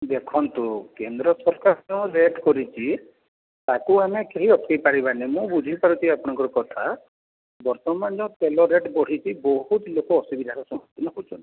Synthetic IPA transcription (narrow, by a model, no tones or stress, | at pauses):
d̪ekʰɔnt̪ukend̪ɾɔsɔɾkaɾd͡ʒãɾeʈkɔɾit͡ʃʰi | t̪akuamekeɦiɔt̪ʰɔ̥kejpaɾibanemũbud͡ʒʱipaɾut͡ʃʰiapɔɽ̃ɔ̃ŋkɔɾɔkɔt̪ʰa | bɔɾt̪ɔmand͡ʒɔw̃t̪elɔɾeʈbɔɽ̤it͡ʃʰibɔɦut̪lokɔːsubid̪ʱaɾɔsɔ̃ɦɔt̪ːinɔɦut͡ʃʰɔnt̪i̥